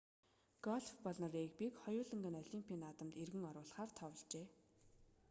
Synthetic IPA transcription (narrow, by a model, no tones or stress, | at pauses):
ɡ̥ɔɮfpɔɮnɔ̆riːk̚pʲikχɔjʊːɮə̆ŋɡə̆nɔɮʲimpʰiːnat̪ə̆mt̪erɣɘ̆ŋɔɾʊːɮχaːrt̪ʰɔwə̆ɮt͡ɕeː